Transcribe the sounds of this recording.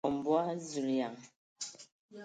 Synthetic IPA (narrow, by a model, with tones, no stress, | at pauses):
ɔ˨m˨bwa˦zu˨lja˨ŋ